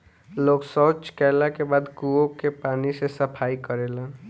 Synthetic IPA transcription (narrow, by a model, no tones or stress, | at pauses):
loɡsət͡ʃkɛlakebad̪kuokepanisesəpʰaikəɾelən